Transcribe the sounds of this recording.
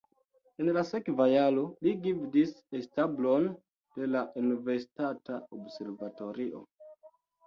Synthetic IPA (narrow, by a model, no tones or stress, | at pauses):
enlasekvajalo̞liɡivdisestablo̞n | d̥e̞laʔunive̞ɾsi̥tataobse̞ɾvato̞ɾiʔo̞̰